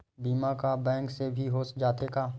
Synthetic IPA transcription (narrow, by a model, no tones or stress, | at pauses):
biːmãkabɛ̃ːŋksebʱiɦoːsd͡ʒaːt̪ekaː